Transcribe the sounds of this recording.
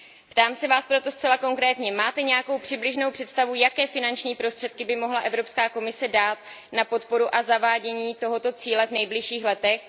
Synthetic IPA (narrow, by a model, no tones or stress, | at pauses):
pt̪aːmsɛvaːspɾo̞t̪o̞stt͡sɛlako̞ŋkɾɛːt̪ɲɛmaːt̪ɛɲɛjako̞wpr̝̥ɪblɪʒno̞wpr̝̥ɛt̪st̪avujakɛːfɪnant͡ʃɲiːpɾo̞st̪r̝̥ɛt̪̚kɪbɪmo̞ɦlaʔɛvɾo̞pskaːko̞mɪsɛdaːt̪̚napo̞t̪po̞ɾuʔazavaːɟɛɲiːt̪o̞ɦo̞t̪o̞t͡siːlɛvnɛjblɪʃiːxlɛt̪ɛx